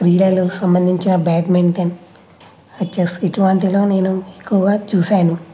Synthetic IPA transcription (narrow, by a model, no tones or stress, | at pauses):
ɾiːɽalusɐmbɐnd̪ʱiɲt͡ʃinɐbaːʈmeɳʈen | ɐt͡ʃːesiʈuʋaɳʈiloːne̞ːnuekːuʋaːt͡ʃuːsaːnu